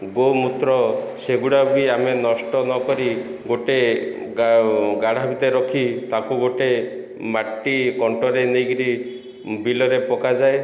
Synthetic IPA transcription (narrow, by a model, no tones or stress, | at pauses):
ɡomut̪ɾɔseɡuɽabiamenɔsʈɔnɔkɔɾiɡoʈe | ɡaɽ̤abit̪eɾɔkʰit̪akuɡoʈe | maʈːikɔɳʈɔɾenejɡiɾi | bilɔɾepɔkad͡ʒae